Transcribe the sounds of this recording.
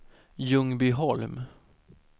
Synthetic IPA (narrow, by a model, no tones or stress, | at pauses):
jɵŋbɪɦɔlm